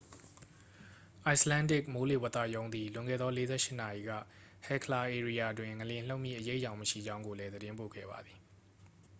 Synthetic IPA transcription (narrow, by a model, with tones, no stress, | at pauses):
ʔa˨ɪslã˦ndɪ˦˨k̚mo˦le˦˨wə˦˨t̪ä̰˦˨jõ˦ʊ̃nd̪i˨lʊ̃˨ŋɡɛ̰˦˨d̪ɔ˦le˦zɛ̰˦˨ʃɪ˦˨na˨ji˨ɡä̰˦˨ | hɛ˨kʰəla˨ʔe˨ɹi˨ja˨dwɪ̃˨ŋə˨ljɪ̃˨l̥o˦ʊʔmjḭ˦˨ʔəje˦ɪʔjã˨ʊ̃məʃḭ˦˨d͡ʑã˦ʊ̃ŋɡo˨lɛ˦d̪əɾɪ̃˦mpo̰˦˨ɡɛ̰˦˨ba̰˨d̪ði˨